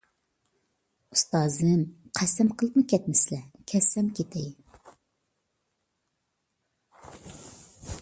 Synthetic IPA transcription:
u̥st̪ɑːzɨmqʰɛsɛmqʰəlˠəpnɨkʲɛt̪̚mɪslɛkʲʰɛsːɛmkʲet̪ʰɛj

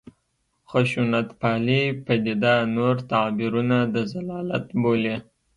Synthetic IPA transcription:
xʊʃunat̪pɑlipəd̪ed̪anoɾt̪abiɾunad̪əzalɑlat̪bole

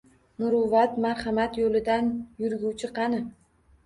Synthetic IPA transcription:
mʊɾʊvat̪maɾχɑmat̪jolɪd̪anjʊɾɡʲuwt͡ʃʰɪqʰɑnɪ

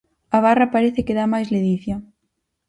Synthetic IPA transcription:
aβ̞arɐpaɾeθɪkeðamajsleðiθjɐ

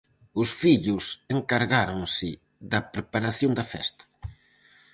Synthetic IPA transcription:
ʊsfiʎʊseŋkaɾɣaɾoŋsɪ | ðɐpɾepaɾaθjoŋnd̪ɐfɛ̰st̪ɐ̥

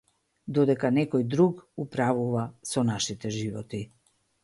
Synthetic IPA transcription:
d̪ɔd̪ɛkanɛkɔjd̪ɾukupɾavuvasɔnaʃit̪ɛʒivɔt̪i

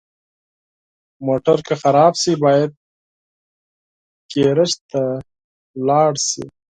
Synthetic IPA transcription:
moʈaɾkaxaɾɑbsibɑjad̪̚ | keɾəʃt̪a | lɑɽsḭ

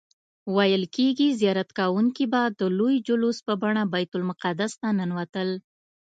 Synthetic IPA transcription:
wajəlkeɡizjɑɾat̪kawuŋkibad̪əlojd͡ʒʊluspəbaɳabajt̪ʊlmʊqad̪ast̪ananwat̪əl

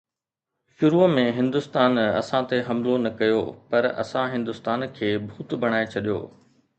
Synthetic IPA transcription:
ʃʊɾumẽɦɪ̃nd̪ʊst̪aːnɐ̰sãt̪eɦɐmlonɐkɐjo̰pɐɾɐ̰sãɦɪ̃nd̪ʊst̪aːnkʰeːbʱuːt̪bʱɐɽ̃aːet͡ɕʰɐɗijo̰ː

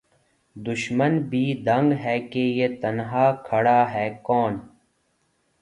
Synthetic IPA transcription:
d̪ʊʃmənbʱiːd̪ʱɐ̃ŋɡɦɛːkejet̪ɐnɦaːkʰɐɽaːɦɛːkɔːn

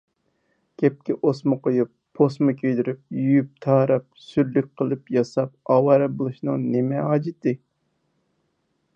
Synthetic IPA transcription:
kʲʰɛp̚kʲiʔosmɨqʰojupːʰosmɨkʲʰøjd̪yɾyp̚jyjyp̚t̪ʰɑːɾɑp̚syɾlyk̚ʲqʰəlˠɨpjɑsɑp̚ɑːwɑɾɛbolˠuʃnɨŋnemɛɦɑːd͡ʒɪt̪ɨ

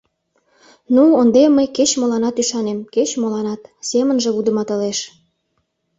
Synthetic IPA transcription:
nuond̪emːəjket͡ɕmolɑnɑt̪yʃɑnemket͡ɕmolɑnɑt̪semənʒĕβud̪ə̆mɑt̪ɤ̆leʃ

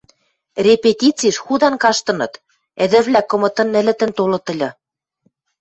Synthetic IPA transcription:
rʲepet̪ʲit͡siʃxud̪ɑnkɑʃt̪ɤ̆nɤ̆t̪ | ɘ̆d̪ɘ̆βlækɤ̆mɤ̆t̪ɤ̆nɘ̆lɘ̆t̪ɘ̆nt̪olɤ̆t̪ɤ̆lʲɤ̆

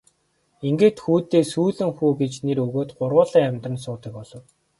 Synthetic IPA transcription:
iŋɡeːt̪xuːt̪eːsuːɮɘ̆ŋxuːɡet͡ɕneɾɵɣoːt̪ɢʊrʁʊːɮiːŋamt̪rə̆nsʊːt̪ə̆k̚pɔɮɞ̆w

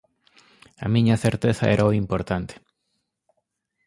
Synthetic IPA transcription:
ɐ̰mĩɲɐθeɾt̪eθaɛɾʔaoimpoɾt̪ant̪e̥

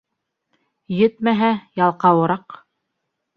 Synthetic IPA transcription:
jɘt̪mæɦæjɑlˠqɑwɤ̆ɾɑq

